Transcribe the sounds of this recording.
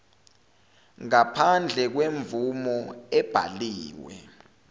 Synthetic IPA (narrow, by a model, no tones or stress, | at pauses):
ŋapʰand͡ɮʱɛk̬weɱvumɔɛb̥ʱa̰liːwɛ̰